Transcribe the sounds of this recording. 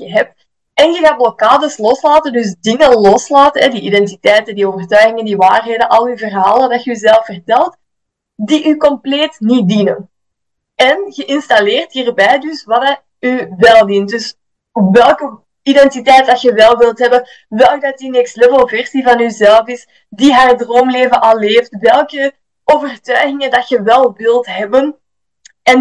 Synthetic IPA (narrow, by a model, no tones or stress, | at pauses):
əɦɛp̚t | ɛnɣəɣaːt̚blokaːdəslɔslaːtəndʏsdɪŋəlɔslaːtənɦɛdiʔidɛntitɛjtəndioːvərtœɥɣɪŋəndiʋaːrɦeːdəʔɑlˠyvərɦaːlˠədɑtxəyzɛlˠəfːərtɛlˠt | diʔykɔmpleːtnit̚dinən | ɛnɣəʔɪnstɑlɪːrtɦiːrbɛjdʏsʋɑdə | yʋɛlˠdindɵs | ʋɛlˠkə | idɛntitɛjt̚dɑtxəʋɛlˠʋɪlˠtɦɛbən | ʋɛlˠk̚dɑtinɛkstlɛvəlˠvɛrsivɑnyzɛləfɪs | diɦaːrdroːmleːvənʔɑlˠːeːftʋɛlˠkə | oːvərtœɥɣɪŋəndɑtxəʋɛlˠʋɪlˠtɦɛbən | ɛn